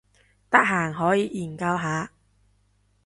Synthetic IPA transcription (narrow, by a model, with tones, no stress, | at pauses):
t̪ɐ˥k̚ɦaː˨˩ŋɦɔː˨˥jiː˨˧˥jiː˨˩nkɐ˧wɦaː˨˧˥